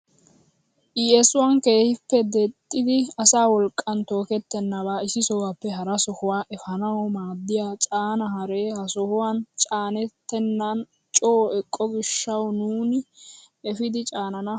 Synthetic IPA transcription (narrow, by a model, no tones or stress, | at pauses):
ʔɪjɛsʊwanke̞ːhɪpːɛd̪ɛt̪ʼːɪd̪ɪɐsaːwɔlkʼːɐnt̪o̞ːkɛt̪ːɛnːɐβaːɪsɪsɔwapːɛɦɐɾɐsɔhʊwaːʔɛfɐnɐwɔmaːd̪ːɪjaːt͡ʃʼaːnɐhɐɾeːhɐsɔhʊwant͡ʃʼaːnɛt̪ːɛnːɐn | t͡ʃʼoːɛkʼːɔɡɪʃːɐwnuːnɪ | ɛfɪd̪ɪt͡ʃʼaːnɐnɐ